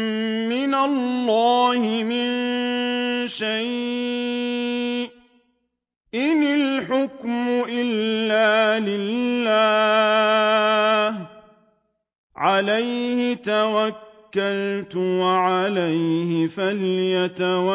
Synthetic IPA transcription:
mɪnalːɑːhɪmɪn | ʃaj | ʔɪnɪlħʊkmʊʔɪlːaːlɪlːaː | h | ʕalajhɪt̪awakːalt̪ʊwaʕalajhɪfalɪjat̪awa

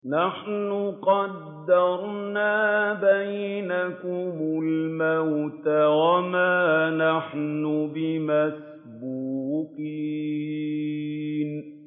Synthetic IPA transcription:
naħnʊqɑd̪ːɑɾˤnaːbajnakʊmʊlmawt̪awamaːnaħnʊbɪmas | buːqi | n

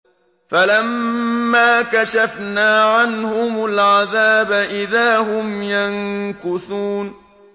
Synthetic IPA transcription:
falamːaːkaʃafnaːʕanhʊmʊlʕaðaːbaʔɪðaːɦʊmjaŋkʊθuːn

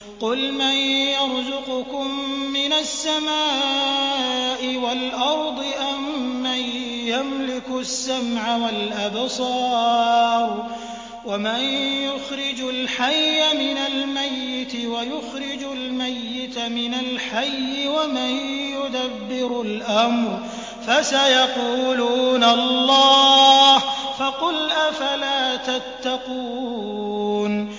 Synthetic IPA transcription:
qʊlmanjɑɾˤzʊqʊkʊmːɪnasːamaː | ʔɪwalʔɑɾˤd̪ˤɨʔamːajamlɪkʊsːamʕawalʔabsˤɑːɾˤ | wamanjʊxɾɪd͡ʒʊlħajːʔamɪnalmajːɪt̪ɪwajʊxɾɪd͡ʒʊlmajːɪt̪amɪnalħajːɪwamanjʊd̪abːɪɾʊlʔamɾ | fasajɑquːluːnallˤːɑːhfɑqʊlʔafalaːt̪at̪ːaquː | n

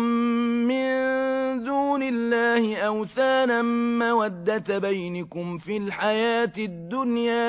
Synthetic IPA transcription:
mmɪnd̪uːnɪlːaːhɪʔawθaːnamawad̪ːat̪bajnakʊmfilħajaːt̪ɪd̪ːʊnjaː

